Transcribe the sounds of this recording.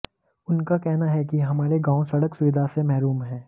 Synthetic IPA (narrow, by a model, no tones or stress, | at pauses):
ʊnkakɛɦnaɦɛkiɦɐmaːɾeɡãːõsɐɽəksʊʋɪd̪ʱasemɛɦɾuːmɦɛ̃ː